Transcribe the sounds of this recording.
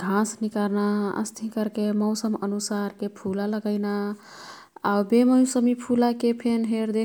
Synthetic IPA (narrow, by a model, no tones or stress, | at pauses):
ɡʱãsnikaɾnaə̰st̪ʰĩkəɾkemɔʊsəmənusaɾkepʰulaləɡəɪna | awbeməjũsəmipʰulakepʰenɦeɾd̪e